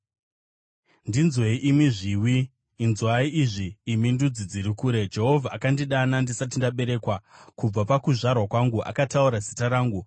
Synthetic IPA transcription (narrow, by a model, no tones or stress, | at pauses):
ndinzweiʔimiʐiwiː | nzwaiʔiʐiːmindud͡zid͡ziɾikuːɾe̞d͡ʒe̞ɦo̞vʱaakandiɗanandisat̬indaɓe̞ɾe̞ːkwakub͡vapakuʐarwakwaŋɡuʔa̰katauɾazitaɾaːŋɡu